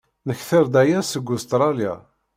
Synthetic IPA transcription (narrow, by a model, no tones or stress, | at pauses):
nəçθəɾd̪æjæsəɡːust̪ɾˤɑlja̰